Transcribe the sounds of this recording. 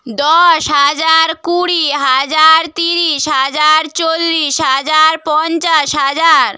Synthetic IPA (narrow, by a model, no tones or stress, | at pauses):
d̪ɔʃɦad͡ʑaɾkuɽiɦad͡ʑaɾt̪iɾiʃɦad͡ʑaɾt͡ɕolːiʃɦad͡ʑaɾpɔnt͡ɕaʃɦad͡ʑaɾ